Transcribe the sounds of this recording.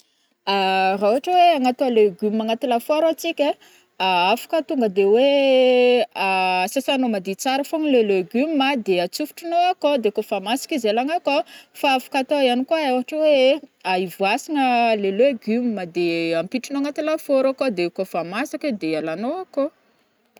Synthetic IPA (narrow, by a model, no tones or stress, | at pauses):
arauɦaʈ͡ʂəweaŋat̪oaleɡymːaŋat̪ilafoɾat͡sikʲa | aafḁkət̪uŋɡəd̪ewe | asasanomad̪it͡saɾəfoŋleleɡymːad̪eat͡sufu̥ʈ͡ʂinoakod̪ekofamasi̥kʲizalaŋakofaafḁkat̪oianikuaawɦaʈ͡ʂəweaivuasiŋəleleɡymmad̪eampiʈ͡ʂinoaŋat̪ilafoɾakod̪ekofamasaked̪ealanoako